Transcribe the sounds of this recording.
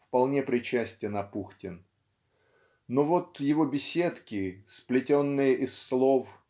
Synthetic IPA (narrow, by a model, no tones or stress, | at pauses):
fpɐlˠnʲe̞pɾʲɪt͡ɕæsʲtʲɪnɐpuxtʲɪn | novo̞t̪jɪvobʲɪsʲe̞t̪kʲɪsplʲɪtʲo̞nːɨjəʔɪsːlˠo̞f